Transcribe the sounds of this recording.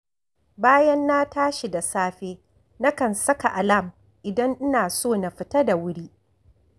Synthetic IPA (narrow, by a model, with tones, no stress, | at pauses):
baː˦jɐ˦nːa˦taː˦ʃi˨da˨saː˦ɸeː˦ | na˦kɐ˨nsɐ˦ka˨ʔa˨la˦˨m | ʔɪ˨dɐ˦ŋʔɪ˦naː˨soː˦˨na˨ɸɪ˦tɐ˦da˨wʊ˦ɽiː˦